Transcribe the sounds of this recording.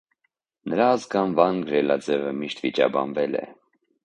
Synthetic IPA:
nəɾɑːzɡɑnvɑnɡɾɛlɑd͡zɛvəmiʃt̪vit͡ʃɑ̰bɑ̰nvɛlɛ̰

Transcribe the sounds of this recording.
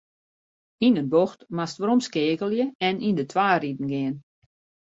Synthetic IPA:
inənboxtmastʋəɾɔmskɪːkəlˠjəɛnindətʰʋaːridn̩ɡɪən

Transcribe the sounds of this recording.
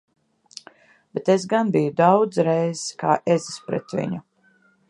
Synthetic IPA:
b̥et̪esɡanbijud̪awd̪zɾɛjzska̰ːʔezispɾɛ̰t̪vḭɲu

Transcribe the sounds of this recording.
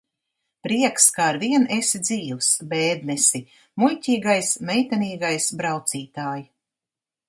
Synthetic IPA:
pɾiɛkskaːɾviɛnesid̪ziːvsbɛːd̪nɛsi | mujcʲiːɡajsmɛjt̪aniːɡajsbɾawt̪siːt̪aːji

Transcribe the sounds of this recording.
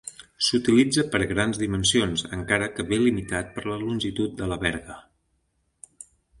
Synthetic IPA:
sut̪ilid͡zəpəɾɣɾanzðimənsionzəŋkaɾəkəβelimit̪at̪̚pəɾləlunʲʒit̪ut̪̚d̪ələβɛɾɣə

